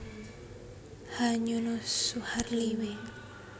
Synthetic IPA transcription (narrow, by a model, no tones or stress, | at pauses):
haɲunosuharliwe